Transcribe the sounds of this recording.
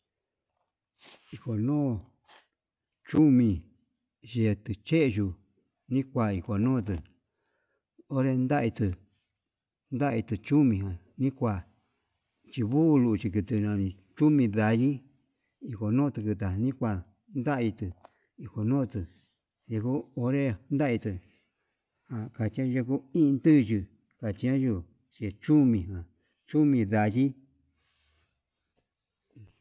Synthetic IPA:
i˧ko˨nõː˦ | t͡ʃu˦mĩ˧ | ʒe˧t̪ɨ˧t͡ʃe˦ʔʒu˧ | nĩ˦kʷa˧˨i˧ko˨nõː˦˧t̪̬ɨ˧ | o˦ɾe˧nd̪a˦ʔi˧t̪ɨ˧ | nd̪a˦ʔi˧t̪ɨ˧t͡ʃu˦mĩ˧ɦã˨ | nĩ˦kʷa˧˨ | t͡ʃi˧βuː˦˧lu˧ʔt͡ʃi˧kɨ˧t̪ɨ˧nã˧nĩ˧ | t͡ʃu˦mĩ˧ða˧ɾi˦ | i˧ko˨nõː˦˧t̪ɨ˧kɨ˧t̪a˨˧nĩ˦kʷa˧ | nd̪a˦ʔi˧t̪ɨ˧ | i˧ko˨nõ˦˧t̪ɨ˧ | ʒe˧ku˦o˧ɾe˦˧nd̪a˦˧i˧t̪ɨ˧ | hã˨ka˧t͡ʃi˧ã˦ʒe˧ku˦ĩ˦˧nt̪ɨ˦˧ʒi˧ | ka˨t͡ʃi˧ã˦ʒu˧ | t͡ʃi˧t͡ʃu˦mĩ˨ã˨ | t͡ʃu˦mĩ˧ða˧ji˦

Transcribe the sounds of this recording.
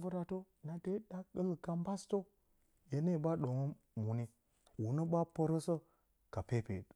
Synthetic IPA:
və˦ɾa˨to˦ | na˨de˦ɗa˦kə˦lka˨mba˦sto˦ | je˨ne˦˨ba˦ɗo˨ŋo˦ | mu˨ni˦ | wu˨nə˦ba˦pə˦ɾə˦sə˦ | ka˨pe˦pḛ˨

